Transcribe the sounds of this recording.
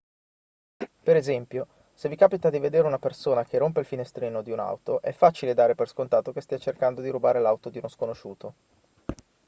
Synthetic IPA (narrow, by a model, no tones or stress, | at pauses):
peɾezɛmpjo | sevikaːpit̪ad̪ived̪eːɾeunapersoːnak̟erːomp̬eilfinest̪ɾiːnod̪iuna̰wt̪oʔɛfːaːt͡ʃiled̪aːɾeperskont̪aːt̪okest̪iat͡ʃerkand̪od̪iɾubaːɾelawt̪od̪iunoskonoʃuːt̪o